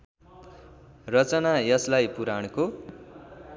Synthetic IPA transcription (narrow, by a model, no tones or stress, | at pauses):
rʌt͡sʌnajʌslajpuɾaɽ̃ko